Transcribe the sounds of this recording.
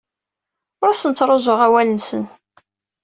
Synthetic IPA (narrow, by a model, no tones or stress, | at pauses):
ʊɾæsənt͡sːɾˤozˤoʁæwælənsə̰n